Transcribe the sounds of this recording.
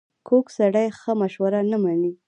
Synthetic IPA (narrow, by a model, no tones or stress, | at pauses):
kʰoksaɽajxəmaʃwaɾanamani